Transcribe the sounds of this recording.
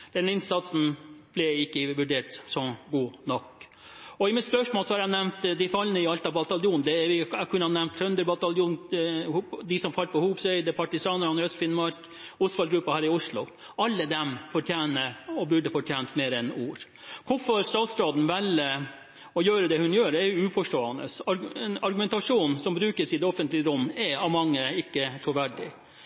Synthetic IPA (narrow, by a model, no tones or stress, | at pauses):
d̪̥ɛnɪnsɑt̪sn̩b̥lɛɪkːəʋʉɖeːʈsɔɡuːnɔkː | ɔɪmɪt̪spœʂmoːlsɔhɑɾænɛmt̪d̪ɪfɑlnəɪɑlt̪ɑʋbɑt̪ɑlɪuːnd̪ɛɾʋɪɛkʰʉnːəhɑnɛmt̪sœnd̪əɾbɑt̪ɑljuːnhd̪ɪsɔmfɑlpɔhuːbsœʏd̪əpʰɑʈɪsɑːnəɾɑnɾœst̪fɪnmɑɾk | ʊstfɑlɡɾʉpːɑhæːɾɪʊʂlʊ̰ | ɑlːəd̪ɛmfɔʈʰjæːnəɔbʉɖəfɔʈʰjeːnt̪meːɾɛnuːɾ | kʰʊfɔɾst̪ɑːt̪st̪ɑːd̪n̩ʋɛlə | ɔjøːɾəd̪ɛhʉnjøːɾɛjʊʉːfɔʂʈoːɑnə̰sɑɾɛnɑɾɡʉmɛnt̪ɑʂuːnsɔmbɾʉːkəsɪd̪ɛɔfənt̪lɪəɾʊmːɛɑʋmɑŋːəɪkːət̪ʰɾʊʋæɖɪ̰